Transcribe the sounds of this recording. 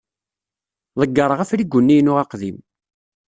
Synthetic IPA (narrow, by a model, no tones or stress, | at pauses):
ðˤəɡːəɾˤʁæfɾiɡʷːʊnːijnʊʁɑqðim